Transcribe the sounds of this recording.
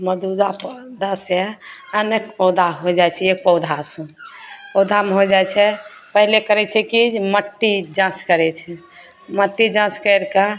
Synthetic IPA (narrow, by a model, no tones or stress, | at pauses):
məd̪ud̪apd̪əsɛənekpɔd̪ʱaɦod͡ʒajt͡ʃʰɛek̚pəwd̪ʱasə̃pɔwd̪ʱamɦod͡ʒajt͡ʃʰɛ | pəɦlekəɾɛt͡ʃʰɛkiməʈːid͡ʒãt͡ʃkəɾɛt͡ʃʰɛ | məʈːid͡ʒãt͡ʃkəɾka